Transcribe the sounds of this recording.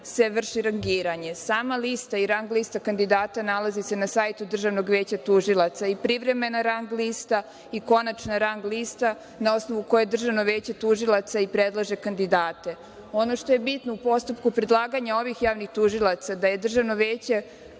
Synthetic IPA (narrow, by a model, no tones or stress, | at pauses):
se̞ʋr̩ʃiɾaŋɡiːɾaɲe̞saːmalist̪aiɾaŋɡlist̪akand̪id̪aːt̪analˠazise̞nasajt̪ud̪r̩ʒaʋno̞ɡʋe̞ːt͡ɕat̪uʒilˠat̪saipɾiʋɾe̞me̞naɾaŋɡliːst̪a | iko̞nat͡ʃnaɾaŋɡlist̪a | nao̞sno̞ʋuko̞jed̪r̩ʒaʋno̞ʋe̞ːt͡ɕe̞t̪uʒilˠat̪saipɾed̪lˠaʒe̞kand̪id̪aːt̪e̞ | o̞no̞ʃt̪o̞je̞bit̪noupo̞st̪upkupɾed̪lˠaːɡaɲao̞ʋixjaːʋnixt̪uʒilˠat̪sad̪aje̞d̪r̩ʒaʋno̞ʋeːt͡ɕe̞